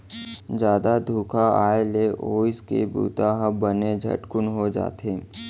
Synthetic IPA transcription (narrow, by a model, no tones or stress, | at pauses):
d͡ʒjaːd̪ad̪ʱuːkʰaaːeleʔoːskḛbṵːt̪aɦəbəned͡ʒʱɐ̰ʈkʊnɦod͡ʒa̰ːt̪eː